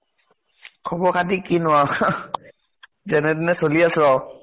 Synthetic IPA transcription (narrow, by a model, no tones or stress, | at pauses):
kʰɔbɔkʰatikinʊwa | zɛnɛdɛnɛsoliasɹɔ